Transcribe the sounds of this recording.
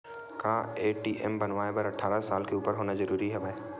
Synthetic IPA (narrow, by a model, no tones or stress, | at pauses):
kaːeːʈiːʔɛmbɐnʋaːebɐɾɐʈʰːaːɾasaːlkeuːpəɾɦoːnazɐɾuːɾiɦɛbaːeː